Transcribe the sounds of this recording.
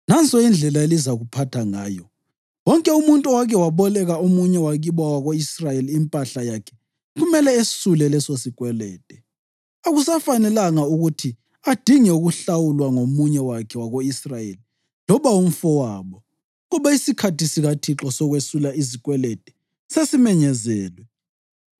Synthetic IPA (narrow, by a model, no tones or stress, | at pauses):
nant͡sʼɔind͡ɮʱɛlaelizaɣupʰatʰaŋa̰ːjɔ | wɔŋkʼɛumuntʼuwakʰɛwaβɔlɛɣaomuɲɛwaɣiβawaɣoisrajeliːmpʼaɬajakʰɛ̥ | ɣumɛlɛesulɛlɛsosikʼwɛlɛːtʼɛ | aɣusafanɛlaŋauɣutʰi | ad̥ʱiŋɛuɣuɬawulwaŋomuɲɛwakʰɛwaɣoisrajḛli | lɔβaum̩fɔwaːβɔ | ɣɔβaisikʰatisiɣatʰiǁɔsɔɣwesulaizikʼwɛlɛtʼɛ̥ | sesimɛɲɛzɛːlwɛ